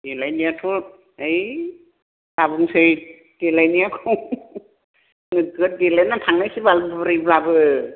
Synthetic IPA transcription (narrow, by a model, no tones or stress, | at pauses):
d̥ilajnijatʰu | ej | labɯŋsɯj | d̥elajnijakʰu | nɯɡɯdelajnatʰaŋnajsibalbɾɯjblabɯ